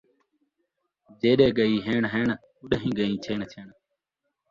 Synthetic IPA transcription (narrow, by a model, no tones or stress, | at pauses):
d͡ʒeːɗeːɡəiːɦeːɳɦeːɳ | uɗɦĩːɡəĩːt͡ʃʰeːɳt͡ʃʰeːɳ